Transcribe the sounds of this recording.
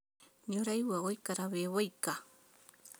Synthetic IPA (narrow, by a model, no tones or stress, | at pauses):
ɲʊɾajwaɢojkaɾaβewajka